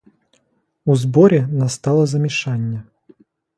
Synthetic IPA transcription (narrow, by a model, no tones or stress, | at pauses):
uzbɔɾʲɛnast̪alˠɐzɐmʲɪʂanʲːɛ